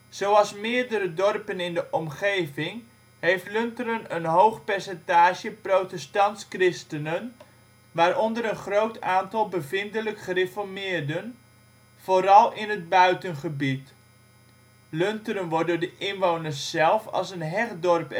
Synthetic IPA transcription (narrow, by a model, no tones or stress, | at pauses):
z̥owɑlˠsmɪːɹdəɾədɔrpənɪndəʔɔmχejvɪŋ | ɦejftlʏntərənənɦowχpɛɹsɛntaːʒəprotɛstɑntskrɪstənən | ʋaːɾɔndəɾənχrowtʰaːntɑlˠbəvɪndələkχərefɔɹmɪːɹdən | v̥oːɾɑlˠɪnɦəd̚bœɥtənχəbit | lɵntəɾənʋɔdʊːɹdəʔɪnʋownərsːɛlˠfɑ̰lˠsənɦɛχdɔrp